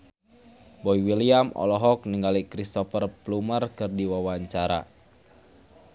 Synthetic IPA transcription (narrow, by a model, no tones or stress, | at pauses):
bɔiwiliamʔɔ̰lɔɦɔk̚niŋɡalikɾist̪ɔfərplumərkɨrdiwawaɲt͡ʃaɾa̰